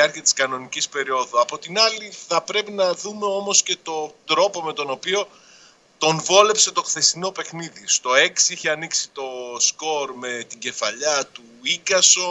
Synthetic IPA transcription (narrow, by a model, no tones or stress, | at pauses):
iɐɾciɐt̪i̥skɐno̞nicispe̞ɾio̞ðuɐpo̞t̪inɐliθɐpɾe̞pinɐðume̞o̞mo̞sce̞t̪o̞d̪ɾo̞po̞me̞t̪o̞no̞pio̞ | t̪o̞nvo̞le̞pse̞t̪o̞xθe̞sino̞pe̞xniðist̪o̞e̞ksiiçeɐniksit̪o̞sko̞ɾme̞t̪iɟe̞fɐʎɐt̪u | iɡɐso̞